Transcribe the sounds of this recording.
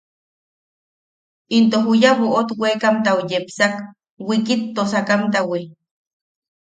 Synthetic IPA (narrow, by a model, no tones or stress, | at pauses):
int̪oɦujaβoʔot̪wekamt̪awujepsak | wikit̪ːosakamt̪awi